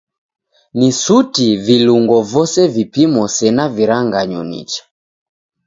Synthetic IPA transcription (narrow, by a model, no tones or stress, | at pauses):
nisutiviluŋɡɔvɔsɛvipimɔsɛnaviɾaŋɡaɲṵnḭt͡ʃḁ